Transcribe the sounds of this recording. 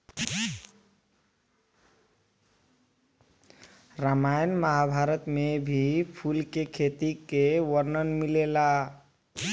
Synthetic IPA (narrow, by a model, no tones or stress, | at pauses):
ɾamajnmaɦabʱaɾət̪mebʱipʰulkekʰet̪ikewəɾnənmilela